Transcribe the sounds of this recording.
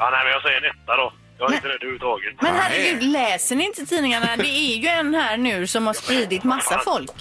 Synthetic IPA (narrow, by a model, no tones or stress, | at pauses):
ɑnɛɪmɛnjasɛjənɛt̪ːad̪ɔ | d̪ɛhaɾɪt̪əɾɛd̪ʉːvət̪ʰɑːɡət̪mɛnɦæɾːəɡʉːd̪lɛːsəɳɪɪnt̪ət̪ʰiːnɪŋaɳad̪ɛæɾjɵɛnhæːɾɳʉ̟ːsɔmhaʂpɾiːd̪ɪt̪masːafɔlk